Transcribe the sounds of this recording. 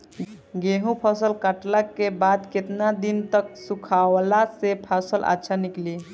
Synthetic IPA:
ɡeɦũpʰəsəlkaʈlakːebad̪ket̪nad̪int̪əksukʰawlasepʰasəlʔa̰tːʃʰanikli

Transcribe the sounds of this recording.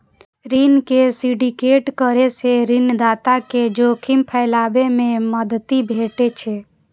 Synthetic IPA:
ɾinkesiɖikeːʈkəɾeseɾind̪aːt̪aked͡ʒoːkʰɪmpʰəɪlaːbemẽməd̪ət̪ibʱeːʈet͡ʃʰeː

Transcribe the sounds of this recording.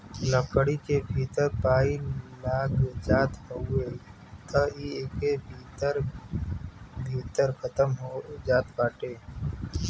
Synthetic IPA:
ləkəɽikebʱiːt̪əɾpaːilaːɡd͡ʒaːt̪həʊe | t̪əieːkebʱiːt̪əɾ | bʱiːt̪əɾkʰət̪əmɦod͡ʒaːt̪baːʈeː

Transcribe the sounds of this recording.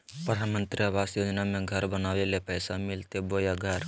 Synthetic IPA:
pɾəd̪ʱanmənt̪ɾiabasjod͡ʒnamẽɡʱəɾbənawelepəjsamɪlt̪ebojaɡʱəɾ

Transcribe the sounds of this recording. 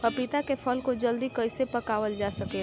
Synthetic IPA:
pɐpɪt̪akefʰɐlkod͡ʒɐld̪ikɐɪsepɐkaːʋəld͡ʒaːsɐke

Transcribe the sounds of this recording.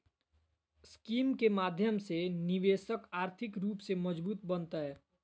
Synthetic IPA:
skiːmkemaːd̪ʱjəmseniʋeːsəkaːɾt̪ʰikɾuːpseməd͡ʒbuːt̪̚bənt̪əɛ

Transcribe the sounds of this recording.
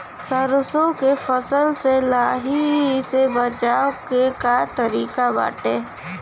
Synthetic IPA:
səɾʊsõkefəsəlselaːɦisebət͡ʃaːokekat̪əɾiːkaba̰ːʈeː

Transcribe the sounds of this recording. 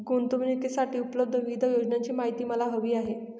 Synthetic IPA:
ɡuːnt̪umnekesaʈiːupləb̚d̪ʱəʋid̪ʱəjod͡ʑnaɲt͡ɕiːmaɦit̪iːməlaɦəʋiːaɦe

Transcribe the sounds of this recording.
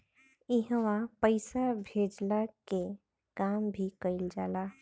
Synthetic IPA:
ɪɦʋapəɪsabʱeːd͡ʒlake | kaːmbʱikəɪld͡ʒaːlaː

